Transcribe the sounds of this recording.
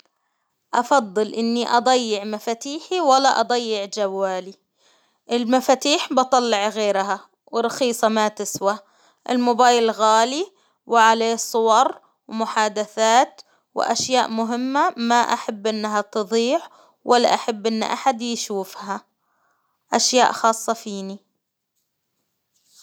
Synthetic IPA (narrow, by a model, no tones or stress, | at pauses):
ʔɑfɑðˤːɨlʔɪnːiʔɑd̪ˤɑjːɪʕmafaːt̪iːħiwalːaʔɑd̪ˤɑjːɪʕd͡ʒawːaːli | ʔɪlmafaːt̪iːħbɑt̪ˤɑlːɪʕɣeːɾɦa | wɪɾˤːɑxiːsˤɑmat̪ɪswa | ʔɪ̰lmʊbaːjllɣaːli | wɪʕaleːsˤʊwɑɾˤ | wmʊħaːd̪aθaːt̪ | wɪ̰ʔaʃjaːʔmʊɦɪmːamaʔaħabːʔɪnːɦat̪ɨðˤiːʕ | wʔalːa̰ʔaħabːʔɪnːʔa̰ħad̪jʃuːfha | ʔaʃja̰ːʔxɑːsˤːɑfiːni